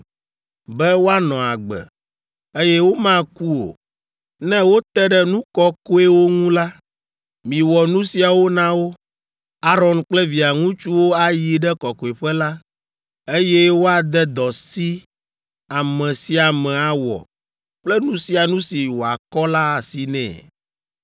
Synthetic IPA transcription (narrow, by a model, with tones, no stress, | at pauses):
bɛ˦wo˦a˦nɔ̃˨a˨ɡ͡bɛ̰˨ | e˦jɛ˦wo˦mã˦ku˦o̰˨ | nɛ̃˦wo˦t̪ɛ˦ɖɛ˦nũ˦kɔ˦ko˦e˦wo˦ŋũ˦la˦ | mĩ˨wɔ˨nũ˦si˨a˨wo˦nã˦wo˦ | a˦ɾɔ˦nk͡plɛ˦vi˨a˨ŋũ˦t͡ʃu˦wo˦a˨ji˨ɖɛ˦kɔ˨ko˨e˨ɸɛ˦la˦ | e˦je˦wo˦a˨d̪ɛ˦d̪ɔ˨si˦ | a˨mɛ̃˨si˦a˨mɛ̃˨a˨wɔ̰˨ | k͡plɛ˦nũ˦si˦a˨nũ˦si˨wo˨a˨kɔ˦la˦˨si˨nɛ̰̃˨